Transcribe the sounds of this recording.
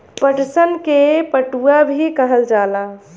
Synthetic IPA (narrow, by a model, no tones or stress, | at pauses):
pəʈsənkepəʈuabʱikəɦəld͡ʒala